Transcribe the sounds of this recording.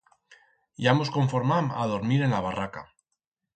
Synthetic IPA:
jamosko̞ɱfoɾmama̰ð̞o̞ɾmiɾe̞nlaβ̞araka

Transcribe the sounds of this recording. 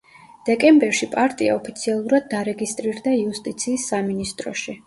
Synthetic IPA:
d̪̥ɛkʼɛmbɛɾʃipʼaɾt̪ʼia̰ɔpʰi̥t̪sʰialˠuɾad̪̚ːaɾɛɡist̪ʼɾiɾd̪aiust̪ʼit̪sʰiːsːaminist̪ʼɾɔ̰ʃi

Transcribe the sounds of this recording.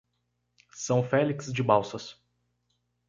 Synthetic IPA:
sɐ̃w̃fɛlikszd͡ʒɪbawsɐs

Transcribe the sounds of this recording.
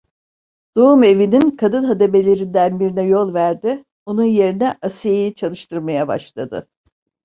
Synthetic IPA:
d̪̥oume̞vininkʰad̪ɯnˠɦad̪e̞be̞lʲe̞ɾind̪ænbiɾinɛjo̞lˠvæɾd̪ɪ | o̞nunje̞ɾinɛʔasijejit͡ʃʰalˠɯʃt̪ʰɯɾmajaba̰ʃlˠad̪ɯ̰

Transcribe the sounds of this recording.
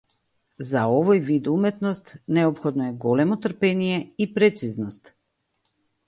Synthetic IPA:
zaɔvojvid̪umɛt̪nɔst̪nɛɔpxɔd̪nɔɛɡɔlɛmɔt̪r̩pɛnijɛipɾɛt̪siznɔst̪

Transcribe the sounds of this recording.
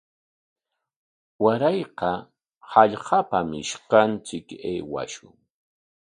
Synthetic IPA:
waɾɑjqɑ | hɑʎqɑpamɪ̰ʃqɑnt͡sɪkeːwa̰ʃʊŋ

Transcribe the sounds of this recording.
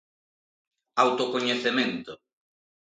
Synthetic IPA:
awt̪okoɲeθemẽnt̪ʊ

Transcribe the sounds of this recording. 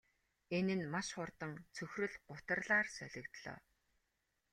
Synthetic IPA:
enɘ̆nmaʃχʊrt̪ə̆ŋt͡sʰɵxrɵ̆ɮɢʊt̪ə̆rɮaːrsœɮʲɪ̆kt̪ɮɔ̰ː

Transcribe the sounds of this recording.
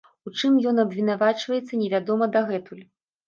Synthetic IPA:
ut͡ʂɨmjɔnɐbvʲin̪avat͡ʂvɐjɛt̪sːɐnʲɛvʲad̪ɔmɐd̪ɐɣɛt̪ulʲ

